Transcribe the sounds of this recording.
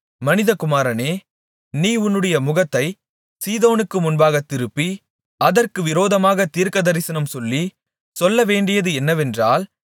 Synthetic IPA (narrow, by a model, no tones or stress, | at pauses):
mɐnɪðɐkʊmaːɾɐneː | niːʊnːɯɽɐjɐmʊɣɐt̪ːɐɪ | siːðoːnɯkːɯmʊnbaːɣɐt̪ːɪɾɯpːi | ɐðɐrkɯʋɪɾoːðɐmaːɣɐt̪iːɾkɐðɐɾɪsɐnɐmsɔlːi | sɔlːɐʋeːɳɖɪjɐðɯɛnːɐʋɛndraːl